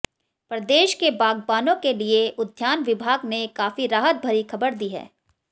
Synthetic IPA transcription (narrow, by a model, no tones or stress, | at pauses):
pɾɐd̪eːʃkebaːɡbaːnõkelieʔʊd̪ʱjaːnʋɪbʱaːɡnekaːfiɾaːɦət̪̚bʱɐɾixʰɐbəɾd̪iɦɛ̰ː